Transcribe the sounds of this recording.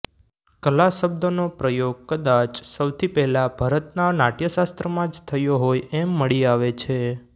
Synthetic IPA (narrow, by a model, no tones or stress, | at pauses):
kəlasəbd̪onopɾəjoɡ̚kəd̪at͡ʃsəwt̪ʰipɛɦlabʱaɾət̪nanaʈjəʃast̪ɾəmãd͡ʒt̪ʰəjoɦojemːəɭiaʋet͡ʃʰe